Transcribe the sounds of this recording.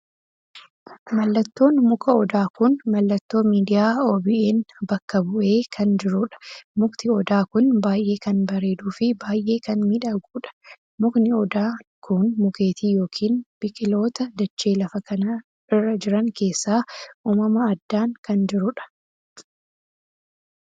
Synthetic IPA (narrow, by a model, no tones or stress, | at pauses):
mɐlːɐt̪ːo̞ːnmʊkɐɔd̪aːkʊnmɐlːɐt̪ːo̞ːmiːd̪ɪjaːoːbɪʔeːnbɐkːɐbʊʔe̞ːkʰɐnd͡ʒɪɾʊᶑɐ̥mʊkt̪ɪɔd̪aːkʊnbaːjʔe̞ːkɐnbɐɾe̞ːd̪uːfɪbaːjʔe̞ːkɐnmiːᶑɐɡuːᶑɐ̥ | mʊknɪɔd̪aːkʰʊnmʊke̞ːt̪iːjo̞ːkʰiːnb̥ɪkʼɪlo̞ːt̪ɐd̪ɐt͡ʃːeːlɐfɐkɐnɐ | ɪrːɐd͡ʒɪɾɐŋke̞ːsːaːuːmɐmɐɐd̪ːaːŋkɐnd͡ʒɪɾʊᶑɐ̥